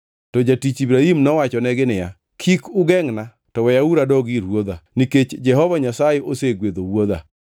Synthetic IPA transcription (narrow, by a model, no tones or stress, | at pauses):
tɔd͡ʒatit͡ʃibɾaɦimnɔwat͡ʃɔnɛɡɪnɪja̰ | kʰikʊɡɛŋna | tɔwɛjauɾadɔɡiɾwod̪aniket͡ʃd͡ʒɛɦɔvaɲasajɛʔoseɡwed̪owod̪a̰